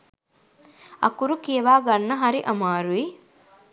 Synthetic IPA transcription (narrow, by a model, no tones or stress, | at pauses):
ɐ̰kuɾukijeʋaːɡɐnːɐɦɐɾiʔɐmaːɾui